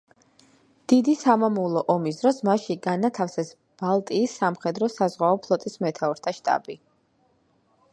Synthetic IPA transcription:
d̪̥id̪isamamulˠɔʔɔmisd̪ɾɔsmaʃiɡanat̪ʰafsɛs | b̥alˠt̪ʼiːsːamχɛd̪ɾɔsazʁwaɔpʰlˠɔt̪ʼismɛt̪ʰaɔɾt̪ʰaʃt̪ʼa̰bi

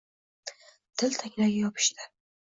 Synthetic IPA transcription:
t̪ʰɪlt̪ʰaŋʲlaɡʲajɒpʰɪ̥ʃt̪ɪ

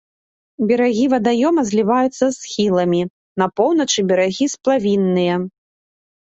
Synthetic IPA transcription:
bʲɛɾaɣʲivɐd̪ajɔmɐzʲlʲivajut̪sːɐsxʲilˠɐmʲi | nɐpɔwnɐt͡ʂɨbʲɛɾaɣʲisplˠavʲinːɨjɐ

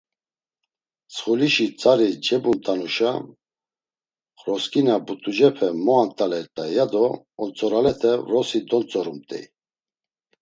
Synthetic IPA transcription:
t͡sʰχuliʃit͡sʼaɾid͡ʒɛbunt̪ʼanuʃa | χɾɔskʼinabut̪ʼud͡ʒɛpʰɛmɔant̪ʼalɛɾt̪ʼajad̪ɔː | nt͡sʼɔɾalɛt̪ʰɛvɾɔsid̪ɔnt͡sʼɔɾumt̪ʼɛ̰

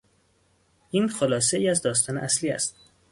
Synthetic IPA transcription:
ʔiːnxolɒːs̬eiːæzd̪ɒːst̪ɒːneʔæsliːæ̰st̪̚

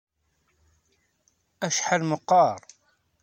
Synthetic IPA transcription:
æʃħalməqːɑɾˤ

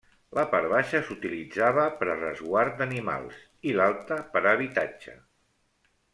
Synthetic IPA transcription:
ləpaɾβaʃəsut̪ilid͡zaβəpəɾərə̰zɣwaɾt̪̚d̪ənima̰lˠs | ilalˠt̪əpəɾəβit̪ad͡ʒə̰

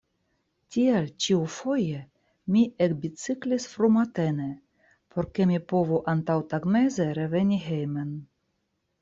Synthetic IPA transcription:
tʲialt͡ʃiufo̞je | miʔekbit͡siklisfɾumat̪ene | pʰoɾkemipovuʔant̪awt̪aɡmezeɾevenʲiɦejmen

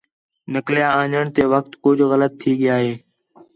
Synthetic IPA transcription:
nəkljaːãːɲəɳ̃t̪eːʋək̚t̪kʊd͡ʒʱɣələt̪ʰːiːɠɪjaːɦeː

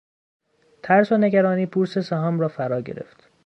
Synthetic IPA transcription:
t̪ʰæɾsone̞ɡæɾɒːniːpʰuːɾsesæɦɒːmrɒːfæɾɒːɟe̞̰ɾe̞̰ft̪

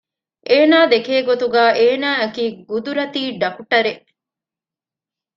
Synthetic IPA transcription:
ʔeːnaːd̪ekeːɡot̪uɡaːʔeːnaːɐkiːɡud̪uɾɐt̪iːɖɐkuʈɐɾeʔ

